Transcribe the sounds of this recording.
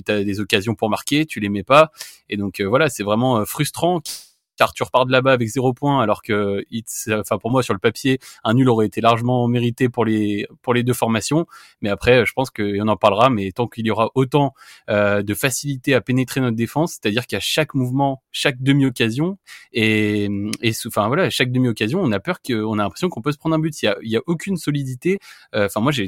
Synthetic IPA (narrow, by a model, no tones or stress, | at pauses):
t̪ad̪ezɔkazjɔ̃puʁmaʁkʲet̪ʰylemɛpa | ed̪ɔ̃køvwalasɛvʁɛmɑ̃øfχyst̪χɑ̃ | kaʁt̪yʁəpaʁt̪labaːvɛkzeʁopwɛ̃alɔʁkəisɑ̃fɛ̃puʁmwasyʁləpapjeɛ̃nylɔʁɛet̪elaʁʒəmɑ̃meʁit̪epuʁlepuʁled̪øfɔʁmasjɔ̃ | mɛapχɛøʒəpɑ̃skəɔ̃nɑ̃paʁlʁamɛt̪ɑ̃kiljɔʁaʔot̪ɑ̃ød̪əfasilit̪eapenet̪χenɔt̪d̪efɑ̃sːe̥t̪ad̪iʁkaʃakmuvmɑ̃ʃak̚d̪əmiɔkʲazjɔ̃emesfɛ̃vwalaʃak̚d̪əmiɔkazjɔ̃ɔ̃napœʁkəɔ̃nalɛ̃pχesjɔ̃kɔ̃pøsəpχɑ̃d̪ʁɛ̃byt̪iljailjaʔokʲʰynsɔlid̪it̪eøɑ̃fɛ̃mwaʒe